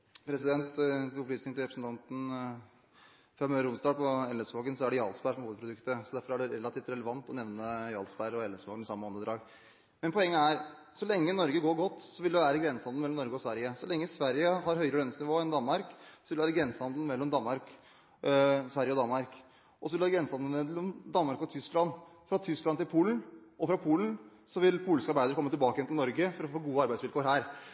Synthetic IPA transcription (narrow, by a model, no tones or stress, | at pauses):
pʰɾɛsɪd̪ɛnt̪ɔplyːsnɪŋt̪ɪɾpɾəsn̩t̪ɑnt̪n̩ | fɾɑmøːɾʊmsd̪ɑːpɔɛləsfoːɡənsɔæɖɛjɑːlsbæʂɔmhuʋəd̪pɾʊd̪ʉkt̪əsɔd̪æɾfɔɾæɖɛɾɛlɑt̪iːft̪ɾɛləʋɑnt̪ɔnɛʋnəjɑ̰ːlsbæɾɔɛlɛsfo̰ːkənɪsɑmːəɔnd̪əd̪ɾɑːɡ | mɛnpʰɔɛŋːəæɾ | sɔlɛŋːənɔɾɡəɡoːɾɡɔt̪ːsɔʋɪld̪ɛʋæːɾəɡɾɛnshɑnd̪̩ɛlːɔmnɔɾɡəɔsʋæɾjəsɔlɛŋːəsʋæɾjəɦɑɾɦœʏəɾəlœnsnɪʋoːɛnd̪ɑnmɑɾksɔʋɪlʋæːɾəɡɾɛnshɑnd̪l̩mɛlːɔmd̪ɑnmɑɾk | sʋæɾjəɔd̪ɑnmɑɾk | ʔɔsɔʋɪʋæːɡɾɛnshɑnd̪̩ɛlːɔmd̪ɑnmɑɾkɔt̪ʰʏsklɑnː | fɾɑt̪ʰʏsklɑnt̪ɪlpʰuːlənʔɔfɾɑpʰuːlən | sɔʋɪlpʰuːlɪskəɑɾbæɪd̪əɾkɔmːət̪ɪlbɑːkəjɛnt̪ɪlnɔɾɡəfɔɾɔfoːɡuːəɑɾbæɪsʋɪlkoːɾɦæːɾ